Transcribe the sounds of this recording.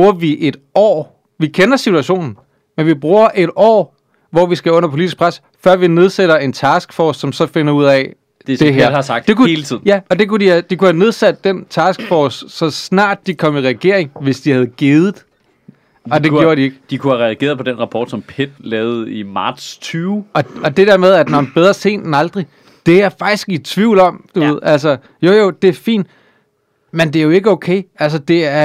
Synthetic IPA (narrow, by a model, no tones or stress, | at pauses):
buːɐʋiʔe̝d̥ɒ̰ː | ʋikʰenɐsit͡sʰuæɕo̝̰ːnn̩ | menʋib̥ʁuːɐʔe̝ɾ̥ɒ̰ː | ʋɒʋisɡ̥æɔ̽n̰ɐpʰo̝lidisɡ̥̚pʰʁas | fɶɐ̰ʋine̝ð̞ˠseɾɐe̝nt͡sʰɑsɡ̥fɒːssɒ̽msɒ̽fe̝nɐuð̞̰ˠɛ | d̥ese̝ɦæ̰ɐhɑ̈sɑ̈ɡ̥̚d̥d̥e̝kʰuhe̝ːlət͡sʰið̰ˠnjæɒ̽d̥e̝kudihæd̥ikuhæne̝ð̞ˠsæd̥ːent͡sʰɑ̈ːsɡ̥fɒssɒ̽snɑ̰̈ːd̥̚ːikʰɒ̽m̰iʁɛɡ̥e̝̰ɐe̝ŋʋe̝sd̥ihæð̞̩ˠɡ̥eːð̞ˠð̩ˠ | ɒ̽de̝jo̝ːɐɾie̝ɡ̥d̥ikʰuhæʁɛæɡ̥e̝̰ɐðˠpʰɒd̥enʁɑ̈pʰɒːd̥sɒ̽mpʰed̥̚lɛːʊð̩ˠimɑ̈ːd̥st͡sʰyːʊɒ̽ɒ̽d̥e̝d̥eɐmeð̞ˠæd̥nɒb̥eð̞ˠʁɐse̝̰ːn̥enɑ̈ld̥ʁi | d̥e̝æɐfɑ̈ɡ̥̚isɡ̥it͡sʰʋiʊ̰lɒ̽m̰d̥uʋe̝ð̞̰ˠælsɐ | jo̝jod̥e̝æɐfḭːnd̥ | mend̥e̝æɐjo̝e̝ɡ̥əoʊkʰeɪælsɐd̥e̝æɐ